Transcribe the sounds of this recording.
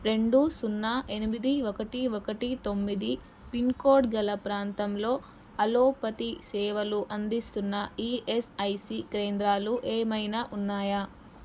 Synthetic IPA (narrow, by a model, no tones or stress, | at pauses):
ɾe̞ɳɖusunːaːʔenimid̪iɔkɐʈiokɐʈit̪o̞mːid̪i | pinkoːɾɖɡɐlɐpɾaːnt̪ɐmlo̞ː | ɐloːpɐt̪isɛːʋɐluʔɐnd̪ist̪unːɐiʔesɐjsikɾeːnd̪ɾaːluʔeːmɐjnaʔunːaːjɐ